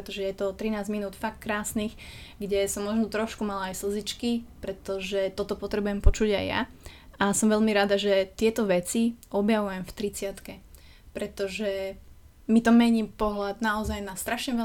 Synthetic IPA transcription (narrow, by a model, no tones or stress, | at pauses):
pɾɛt̪ɔʒɛjɛt̪ɔt̪ɾinaːzminuːt̪fak̚t̪kɾaːsniːxɡɟɛsɔmːɔʒnɔt̪ɾɔʃkumalaːjsl̩zit͡ʃkipɾɛt̪ɔʒɛt̪ɔt̪ɔpɔt̪ɾɛbujɛmpɔt͡ʃuɟajːa̰ | ʔasɔmʋɛʎmiɾad̪aʒɛt̪ɪɛt̪ɔʋɛt͡siʔɔbjaʋujɛmft̪ɾit͡sɪat̪kɛ | pɾɛt̪ɔʒɛ | mit̪ɔmɛɲiːmpɔɦlad̪naɔzajnast̪ɾaʃɲɛʋɛ